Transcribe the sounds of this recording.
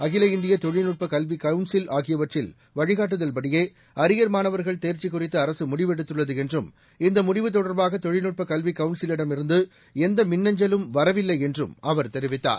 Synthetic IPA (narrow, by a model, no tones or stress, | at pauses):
ɐɣɪlɐɪnd̪ɪjɐt̪ɔɻɪnʊʈ̚pɐkɐlʋikɐʋʊɳsɪlaːɣɪjɐʋɐʈrɪl | ʋɐɻɪɣaːʈ̬ːɯðɐlpɐɽɪjeː | ɐɾɪjɐɾmaːnɐʋɐɾɣɐɭt̪eːɾt͡ʃːɪkːʊrɪt̪ːɐːɾɐsɯmʊɽɪʋɛɽɯt̪ːɯɭːɐðɯɛndrɯm | ɪnd̪ɐmʊɽɪʋɯt̪̬ːɔɽɐɾbaːɣɐt̪ɔɻɪnɯʈ̚pɐkɐlʋɪkːɐʋʊɳsɪlɪɽɐmɪɾɯnd̪ɯ | ɛnd̪ɐmɪnːɐɲd͡ʒɐlɯmʋɐɾɐʋɪlːɐɪɛndrɯmɐʋɐɾt̪ɛɾɪʋɪt̪ːa̰ːɾ